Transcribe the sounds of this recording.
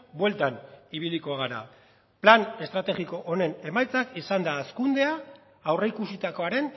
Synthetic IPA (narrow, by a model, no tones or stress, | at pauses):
bwe̞lt̪aniβ̞iliko̞ɣ̞aɾa̰ | plane̞st̪ɾat̪e̞ɣiko̞ʔone̞ne̞majt͡sakisand̪aːskund̪e̞aː | wre̞ikusit̪ako̞aɾe̞n